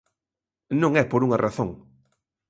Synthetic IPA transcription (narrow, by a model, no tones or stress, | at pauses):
nõŋɛpoɾuŋɐrʔaθoŋ